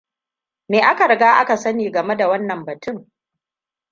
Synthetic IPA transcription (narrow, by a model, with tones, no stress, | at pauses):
neː˨ʔa˦ka˨ɾɐ˨ɡaː˦ʔa˦ka˨sɐ˦niː˨ɡɐ˨me˦da˨wɐ˦nːɐ˨mbɐ˨tʊ˦˨ŋ